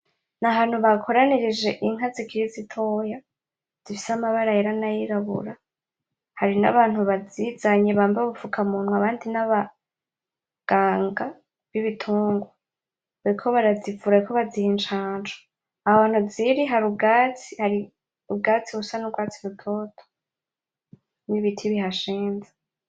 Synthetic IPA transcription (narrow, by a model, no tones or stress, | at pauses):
naɦaːn̥huβakʰo̞ɾaniɾid͡ʒe̞ʔiŋ̥azikʰiɾizitʰo̞ːja | z̥ifisamaβaɾajeɾanajiɾaβṵɾa | haɾina̰βaːnhuβazizaɲeβaːmbaβufukʰamunŋwaβaːndinaβa | ɡ̥aːŋɡa | βjiβitʰuːŋɡwa | βaɾikʰo̞βaɾazivuɾahaikʰo̞βazihent͡ʃaːnd͡ʒo̥ | ahaβaːn̥huziɾiɦaɾubɡaːt͡sihaɾi | ubɡaːt͡siβusanuɡwaːt͡siβutʰo̞ːtʰo̥ | niβitʰiβiɦaʃeːnza